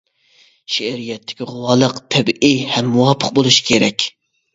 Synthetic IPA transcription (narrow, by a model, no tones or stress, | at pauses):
ʃɛɾijɛt̪ʰːɪ̥kʲiʁʊwɑːlˠəqt̪ʰɛbʔihɛmːuwɑpʰəq̚bolˠuʃi̥kʲʰeɾɛkʲ